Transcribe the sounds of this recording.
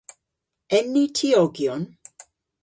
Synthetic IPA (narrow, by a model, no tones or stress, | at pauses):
ɛnitʰiɔɡjɔn